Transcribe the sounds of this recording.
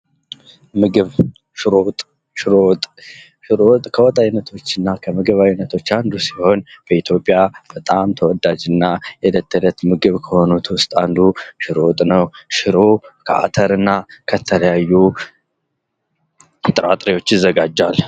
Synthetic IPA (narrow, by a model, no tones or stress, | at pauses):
mɨɡɨβ | ʃɾot̪ʼ | ʃɪɾot̪ʼ | ʃɾot̪ʼkʰəwɔt̪ʼajnːət̪ʰo̞t͡ʃːɪnːakʰəmɨɡɨβajnət̪ʰo̞t͡ʃːand̪usi̥ho̞nb̥əit̪ʰjo̞pʼːjab̥ət̪ʼamt̪ʰəwɔd̪ad͡ʒɨnːajɛlət̪ːələt̪mɨɡɨβkʰəho̞nut̪ʰwʊst̪ʼand̪uʃɪɾot̪ʼnəwʃɪɾo̞kʰəa̰t̪ʰəɾɨnːakʰət̪ʰələjajːu | t̪ʼɨɾat̪ʼɾiwo̞t͡ʃːɪzːəɡad͡ʒːal